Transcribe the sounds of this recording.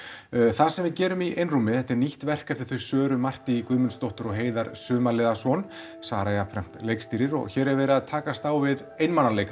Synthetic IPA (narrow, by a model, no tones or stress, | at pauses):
θaðsɛmvɪðcɛːɾʏmiʔejnrumɪθɛht̪ɛɾniht̪vɛr̥kɛft̪ɪ̥ɾ̥θʏɥsœːɾʏmar̥t̪ɪikʏːðmʏnst̪oht̪ʏɾɔɣɦeːjðaɾsʏːmalɪːðasɔn | saːɾajafʰɾɛm̥t̪lejkst̪iːɾɪɾɔ̰ɣçɛːɾɛɾvɛːɾɪðaðt̪ʰaːkast̪awvɪð | ejnmanːaleːjka